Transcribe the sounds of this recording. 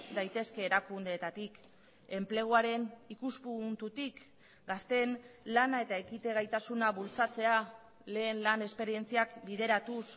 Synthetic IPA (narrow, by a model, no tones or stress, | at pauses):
d̪ajt̪e̞ske̞ːɾakund̪e̞ːt̪at̪ik | e̞mple̞ɣ̞uaɾe̞nikuspunt̪ut̪ik | ɡast̪e̞nlanae̞t̪ae̞kit̪e̞ɣajt̪asunaβult͡sat͡se̞a | le̞ːnlane̞spe̞ɾie̞nt͡siakbiðe̞ɾat̪us